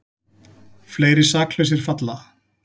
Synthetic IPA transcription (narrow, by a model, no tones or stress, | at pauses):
fleːjɾɪsaːklœɥs̬ɪɾ̥fat̪la